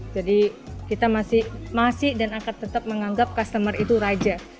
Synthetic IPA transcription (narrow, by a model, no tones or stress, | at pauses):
d͡ʒadikit̪amasɪhmasɪhdanakant̪ət̪ap̚məŋaŋɡap̚kast̪əmərit̪uɾad͡ʒa